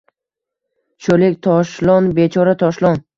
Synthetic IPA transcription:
ʃolekʲt̪ʰɒʃlˠɒnbet͡ʃʰɒɾat̪ʰɒʃlˠɒn

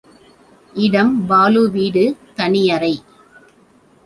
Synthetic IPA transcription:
ʔɪɽɐmbaːluʋiːɽɯt̪ɐnɪjɐɾɐɪ

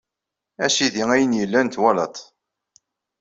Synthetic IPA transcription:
æʃiðiŋæjənjəlːænt̪wælɑt̪ˤ

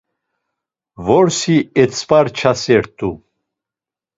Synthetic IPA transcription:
vɔɾsiɛt͡sʰpʼaɾt͡ʃʰasɛɾt̪ʼu

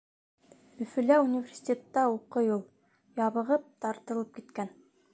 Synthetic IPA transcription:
ɵ̆fɵ̆læunʲivʲersʲi̥t̪ʲet̪ːɑuqɤjulˠ | jɑβɤ̆ʁɤp̚t̪ɑɾt̪ɤ̆lˠɤp̚kit̪kæn

